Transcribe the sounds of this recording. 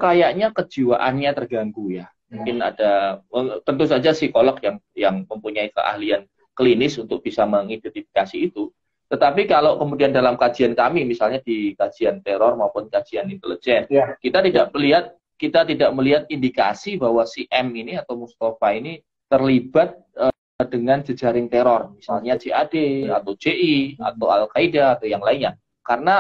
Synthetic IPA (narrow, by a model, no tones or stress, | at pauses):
kajaʔɲakəd͡ʒiwaʔa̰nɲat̪ərɡaŋɡuja | muŋkɪna̰daət̪ənt̪us̬ad͡ʒasikolɔkjaŋjaŋməmpuɲaikə̰ʔa̰hlian | kəlinɪsunt̪ʊk̚b̥isaməŋidɛnt̪ifi̥kasiːt̪u | t̪ət̪apikalokəmudiandalamkad͡ʒiankamimisalɲadikad͡ʒiant̪eɾɔrmaupʊnkad͡ʒianint̪əlid͡ʒɛnkit̪at̪idaʔməliɦat̪̚ | kit̪at̪idaʔməliɦat̪̚indika̰sibaɦwasiʔɛminiat̪awmust̪ofaini | t̪ərlibat̪̚ə | dəŋand͡ʒəd͡ʒaɾɪŋt̪eɾɔrmisalɲad͡ʒeadeat̪awd͡ʒeʔia̰t̪awalkaidaːt̪awjaŋlaiɲa | kaɾəna